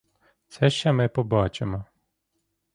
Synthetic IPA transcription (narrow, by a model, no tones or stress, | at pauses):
t̪sɛʃt͡ʃɛmɪpɔbɑt͡ʃemɔ